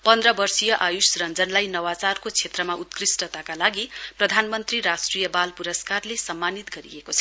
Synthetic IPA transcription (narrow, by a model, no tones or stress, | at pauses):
pʌnd̪rʌbʌrsijʌʔajusrʌnd͡zʌnlajnʌwat͡sarkot͡sʰet̪rʌmaʔut̪krisʈʌt̪akalaɡiprʌd̪ʱanmʌnt̪riɾasʈrijʌbalpuɾʌskarlesʌmːanit̪ɡʌɾḭekot͡sʰʌ̥